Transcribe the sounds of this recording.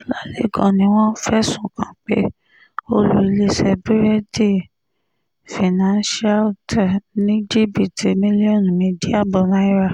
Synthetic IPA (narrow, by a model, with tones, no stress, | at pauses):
la˨le˨˦ɡɔ̃˨nĩ˧˦w̃ɔ̃˦fɛ˦sũ˨kã˨k͡pe˨˦ | o˧lu˧˦i˧le˦sɛ˧bi˦ɾɛ˦di˦˨ | fi˨nã˦nʃa˦ltɛ˨nĩ˦d͡ʒi˦bi˨ti˨mĩ˦li˦ɔ˦˨nũ˨mĩ˧di˦a˦˨bɔ˧nã˦i˦ɾa˦˨